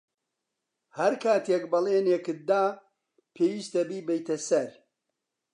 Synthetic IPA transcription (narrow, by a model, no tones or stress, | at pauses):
hɐɾkʰaːt̪ʰekbɐleːnekɨt̪̚d̪aː | pʰeːwiːst̪ɐbiːbɐjt̪ɐsɐɾ